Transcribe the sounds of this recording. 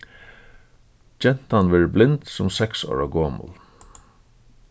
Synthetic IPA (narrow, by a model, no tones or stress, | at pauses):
d͡ʒɛn̥t̪anʋɛːɹblɪnt̪sʊmsɛksɔ̰ːɹaɡoːmʊ̰l